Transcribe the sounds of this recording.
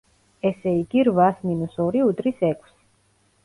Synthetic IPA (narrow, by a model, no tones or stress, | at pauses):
ɛsɛiɡiɾvasminusɔɾiud̪ʼɾisɛkʰʼs